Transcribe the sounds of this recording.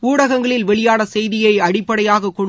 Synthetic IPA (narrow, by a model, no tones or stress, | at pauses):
uːɽɐɣɐŋɡɐɭɪlʋɛɭɪjaːnɐsɛjðɪjɐɪɐɽɪpːɐɽɐjaːɣɐkːɔɳ